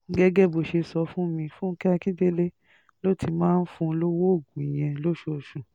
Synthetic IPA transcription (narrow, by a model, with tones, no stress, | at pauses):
ŋ̩˦ɡɛ˦ɡɛ˦˨bo˨ʃe˧sɔ˧fũ˦mĩ˧fũ˦kɛ˦a˧ki˦de˦le˦ | lo˦˨tʰi˧mãː˦n̩˦fũ˧lo˦wo˦o˦˨ɡũ˨i˨j̃ɛ̃˧lo˦ʃo˧˨ʃũ˨